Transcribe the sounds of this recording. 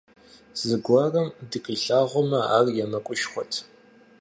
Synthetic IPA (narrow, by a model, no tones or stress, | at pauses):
z̥ɨɡʷɐrɐmdɨkʼɨɬaːʁʷɔmɐa̰ːrjɛmɐkʷʼʊʃχʷɔtʰ